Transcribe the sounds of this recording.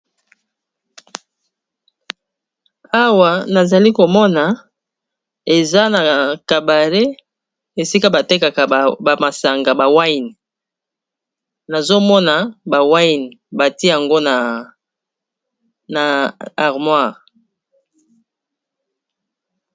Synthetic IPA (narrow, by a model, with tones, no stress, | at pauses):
a˦wa˨na˨za˨li˦ko˨mɔ˦na˨ | e˨za˦na˨ka˨ba˨le˦ | e˨si˦ka˦ba˨te˦ka˨ka˨ba˨ma˨sa˨ŋɡa˨ba˨wa˦i˨n˨ | na˨zo˦mɔ˦na˨ba˨wa˦jn˨ba˨ti˦a˨ŋɡo˦na˨ | na˨a˨ʁmwa˦˨